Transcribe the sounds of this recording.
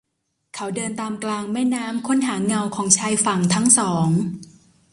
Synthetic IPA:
kʰa˦˥wdɤː˧nt̪aː˧mklaː˧ŋmɛː˥˩naː˦˥mkʰo˦˥nɦaː˩˦ŋa˧wkʰɔː˩˦ŋt͡ɕʰaː˧jfa˨˩ŋt̪ʰa˦˥ŋsɔː˩˦ŋ

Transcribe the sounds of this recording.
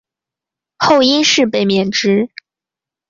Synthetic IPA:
xo˥˩ʊi˥nʂɻ̩˥˩pe˥˩ɪmjɛ˨˩nʈ͡ʂɻ̩˥

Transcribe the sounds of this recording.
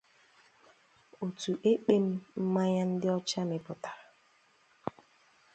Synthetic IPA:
o˨tu˨ʔe˦k͡pe˦m̩˦m̩˦ma˦ɲa˦n̩˦dɪ˦ɔ˦t͡ʃa˦nɪ˨pʊ˨tḁ˨

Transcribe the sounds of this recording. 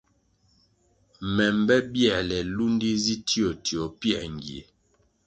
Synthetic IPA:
mɛ˨mbɛ˦bjɛ˦˨lɛ˨lu˦ndi˦zi˦ti˦o˨ti˨o˨pjɛ˦˨ŋ˨ɡi˨e˨

